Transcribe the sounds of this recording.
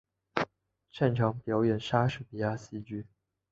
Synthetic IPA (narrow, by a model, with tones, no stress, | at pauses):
ʈ͡ʂʰa˥˩nʈ͡ʂʰɑ˧˥ŋpjɑ˧˥ʊjɛ˨˩nʂa˥ʂɻ̩˥˩pi˧˥a˥˩ɕi˥t͡ɕy˥˩